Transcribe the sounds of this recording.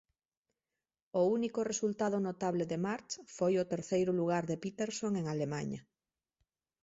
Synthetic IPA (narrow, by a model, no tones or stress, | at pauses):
ounikoresult̪að̞onot̪aβleðemaɾt͡ʃfojot̪eɾθejɾʊluɣ̞aɾðepit̪eɾsoŋeŋalemaɲɐ̰